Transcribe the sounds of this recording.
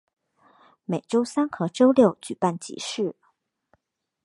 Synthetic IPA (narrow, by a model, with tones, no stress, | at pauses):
me˨˩ɪʈ͡ʂo˥ʊsa˥nkʰɤ˧˥ʈ͡ʂo˥ʊljo˥˩ʊt͡ɕy˨˩pa˥˩nt͡ɕḭ˧˥ʂɻ̩˥˩